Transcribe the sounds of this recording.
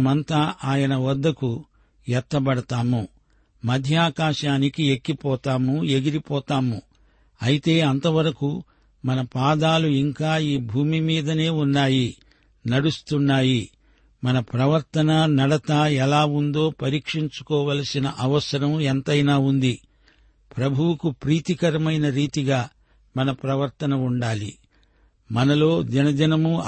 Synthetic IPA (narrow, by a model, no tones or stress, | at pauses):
mɐnt̪aːʔaːjɐnɐʋɐd̪ːɐku | ɛt̪ːɐbɐɽɐt̪aːmu | mɐd̪ʱjaːkaːʃaːnikiekːipɔːt̪aːmue̞ɡiɾipɔːt̪aːmu | ɐjit̪e̞ːɐnt̪ɐʋɐɾɐku | mɐnɐpaːd̪aːluiŋkaːiːbʱuːmimiːd̪ɐne̞ːunːaːji | nɐɽust̪unːaːji | mɐnɐpɾɐʋɐɾt̪ɐnɐnɐɽɐt̪aːɛlaːund̪o̞ːpɐɾiːkʂiɲt͡ʃu̥kɔːʋɐlɐsinɐʔɐʋɐsɐɾɐmɛnt̪ɐjnaːund̪i | pɾɐbʱuwukupɾiːt̪ikɐɾɐmɐjnɐɾiːt̪iɡaː | mɐnɐpɾɐʋɐɾt̪ɐnɐuɳɖaːlḭ | mɐnɐlo̞ːd͡ʒɐnɐd͡ʒɐnɐmu